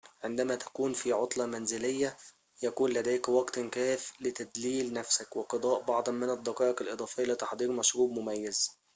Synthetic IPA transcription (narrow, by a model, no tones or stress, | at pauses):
ʕend̪æmæːt̪æ̥kuːnfiʕot̪ˤlɑmænzɪlɪjːæ | jækuːnlæd̪æːkwɑɡt̪kæːflɪt̪æd̪liːlnæfsækweqɑd̪ˤɑːʔbɑʕd̪ˤɑnmɪnɑd̪ːɑqɑːʔɪqɪlʔɨd̪ˤɑːfejːalɪt̪ɑħd̪ˤiːɾmɑʃɾuːb̚mʊmæjːæz